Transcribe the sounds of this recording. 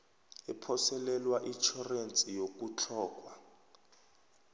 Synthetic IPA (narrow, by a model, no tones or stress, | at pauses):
ɛpʰɔsɛlɛlwaʔit͡ʃʰɔrent͡sʼijokut͡ɬʰɔːk̬ʼwa